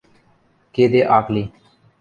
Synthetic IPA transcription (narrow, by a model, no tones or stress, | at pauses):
keːd̪eːʔaːkliː